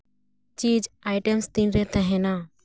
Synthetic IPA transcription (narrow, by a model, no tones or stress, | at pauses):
t͡ʃiːd͡ʒajʈɛmst̪ĩnɾɛt̪ɛ̃ɦɛ̃na